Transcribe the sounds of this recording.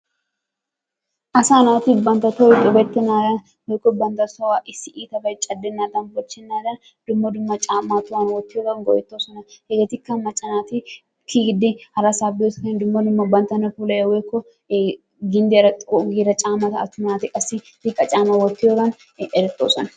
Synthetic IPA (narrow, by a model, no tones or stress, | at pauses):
ʔɐsaːnaːt̪ɪbɐnt̪ɐt̪ɔɛt̪ʼɔbɛt̪ːɛnaːd̪ɐn | wɔjkːɔbɐnt̪ɐsɔwaʔɪsːɪʔiːt̪ɐbɐjt͡ʃʼɐd̪ːɛnːaːd̪ɐnbɔt͡ʃːɛnːaːd̪ɐn | d̪̥ʊmːɐd̪ʊmːɐt͡ʃʼaːmːat̪ʊwanwɔt̪ːɪjɔːd̪ɐnɡɔjɛt̪ːoːsɔnɐhɛɡɛt̪ɪkːɐmɐt͡ʃʼːɐnaːt̪ɪ | kʰiɡɪd̪ɪhɐɾɐsaːbɪɔskɐnd̪ʊmːɐd̪ʊmːɐbɐnt̪ɐnɐfulɐjɛwɔjkːɔ | ɡɪnd̪ɪɾɐt̪ʼɔɡiːɾɐt͡ʃʼaːmɐt̪ɐt̪ːʊnaːt̪ɪkʼɐsːɪd̪ɪkʼːɐt͡ʃʼaːmɐwɔt̪ːɪjɔɾɐn | ɛɾɛt̪ʼːoːsɔnɐ